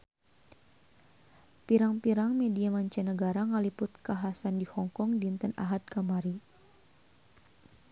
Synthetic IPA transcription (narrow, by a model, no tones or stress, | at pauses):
piɾaŋpiɾaŋmɛdiamaɲt͡ʃɛnəɡaɾaŋalipʊt̪̚kaɦasandihɔŋkɔŋdint̪əna̰ɦad̪̚kamaɾi